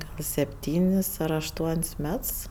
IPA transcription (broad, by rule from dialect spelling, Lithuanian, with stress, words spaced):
ɡɐlˠ sʲɛpʲˈtʲiːnʲɪs ɐr ɐʃˈtuɔnʲsʲ ˈmʲɛts